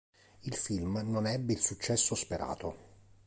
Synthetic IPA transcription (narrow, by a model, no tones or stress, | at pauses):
ilfilmnonɛbːeilsut͡ʃːɛsːospeɾʔa̰ːt̪o